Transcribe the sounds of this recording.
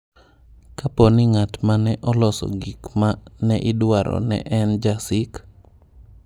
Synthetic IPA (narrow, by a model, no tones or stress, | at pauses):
kapɔnɪŋatmanɛʔɔlɔsɔ̰ɡikmanɛʔɪdwaɾɔ̰nɛ̰ʔɛnd͡ʒasɪk